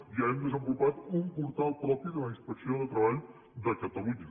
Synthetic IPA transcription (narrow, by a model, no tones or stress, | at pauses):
jəɛmd̪əzəmbulupat̪umpuɾt̪alˠpɾɔpid̪ələinspəksioðət̪ɾəβaʎ | d̪əkət̪əmuɲə